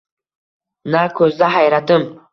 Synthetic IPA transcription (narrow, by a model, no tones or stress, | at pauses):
nakʰɵzd̪aɦajɾad̪ɪm